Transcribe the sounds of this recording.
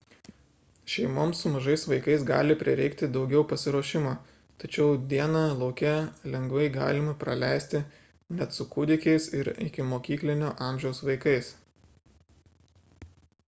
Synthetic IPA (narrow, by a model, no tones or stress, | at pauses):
ʃʲɛɪmoːmsʊmɐʒɐɪsʋɐɪkɐɪsɡɑ̰ːlʲɪpʲɾʲɪɾʲɛɪkt̪ʲɪd̪ɒʊɡʲɛʊpɐsʲɪɾuɔʃʲɪmoː | t̪ɐt͡ʃʲɛʊd̪ʲiɛnɑlˠɒʊkʲɛlʲɛŋɡʋɐɪɡɑ̰ːlʲɪmɐpɾɐlʲæɪsʲt̪ʲɪ | nʲɛt̪sʊkʊd̪ʲɪkʲɛɪsɪɾɪ̰kʲɪmoːkʲiːklʲɪnʲoːʔɑːˑmʲʒʲɛʊsʋɐɪkɐɪs